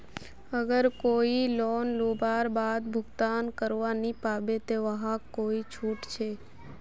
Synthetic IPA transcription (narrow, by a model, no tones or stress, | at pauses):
əɡəɾkoilonlubʱaɾbad̪bʱʊɡt̪ankəɾʋanipabet̪eʋəɦãkoit͡ʃʰuːʈt͡ʃʰe